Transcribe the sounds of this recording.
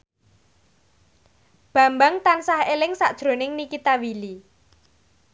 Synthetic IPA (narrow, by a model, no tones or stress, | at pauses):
b̥ä̤mbaŋt̪ansahelɪŋsaʔd̥ʒ̥ɾo̤nɪŋnikit̪awili